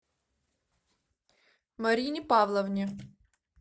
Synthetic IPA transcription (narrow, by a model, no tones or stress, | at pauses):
mɐɾʲinʲɪpavlˠɐvnʲi